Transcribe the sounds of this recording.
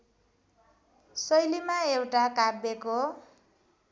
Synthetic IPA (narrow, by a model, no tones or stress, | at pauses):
sʌjlimaewʈakabeko